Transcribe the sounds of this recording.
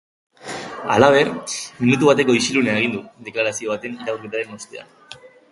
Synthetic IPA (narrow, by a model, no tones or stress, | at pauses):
a̰laβ̞e̞ɾminut̪uβ̞at̪e̞ko̞isiluneaeɣ̞ind̪ud̪e̞klaɾasio̞βat̪e̞niɾauɾket̪aɾe̞nost̪ea̰n